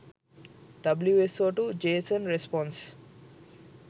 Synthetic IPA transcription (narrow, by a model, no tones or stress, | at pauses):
ɖʌbljuesoʈud͡ʒeːsə̃nɾespɔ̃ns